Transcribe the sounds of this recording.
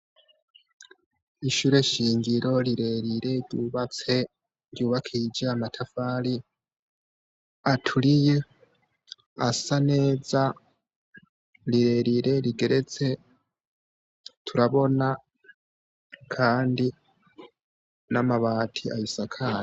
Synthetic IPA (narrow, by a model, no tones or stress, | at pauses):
iʃuɾe̞ʃiːŋɟiɾo̞liɾe̞ɾiɾe̞ɾɟuːβat͡se̞ | ɾjuːβakʰid͡ʒaamatʰafaːli | atʰulije | asane̞ːza | ɾiɾe̞ɾiɾe̞ɾiɡe̞ɾe̞t͡se̞ | tʰuɾaβo̞na | kʰaːndi | namaβaːtʰia̰jusakʰaɾa